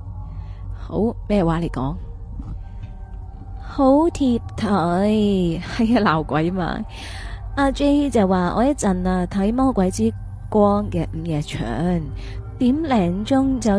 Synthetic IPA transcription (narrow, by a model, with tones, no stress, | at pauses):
ho˨˧˥wmɛː˥˩waː˨˥le˨˩jkɔ̰ː˨˥ŋ | ho˨˥wt̪ʰiː˧p̚t̪ʰɐ˨˥jhɐ˨˥jɐ˦˧laː˨˩wkʷɐ˨˥jma̰ː˧ | ʔaː˧t͡ʃe˥jt͡sɐ˨wːaː˨ʔɔ̰ː˨˧jɐ˥t̚t͡sɐ˨naː˧t̪ʰɐ˨˥jmɔː˥kʷɐ˨˥jt͡siː˥ | kʷɔː˥ŋkɛː˧m̩˨˩jɛː˨˩t͡ʃʰœ̰ː˨˥ŋ | t̪iː˨˥mlɛː˨˩ŋt͡sʊ˥ŋt͡sɐ˨